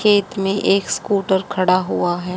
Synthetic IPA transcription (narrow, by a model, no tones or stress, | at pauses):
eːt̪mẽʔeːkskuːʈəɾkʰɐɽaɦuaɦɛː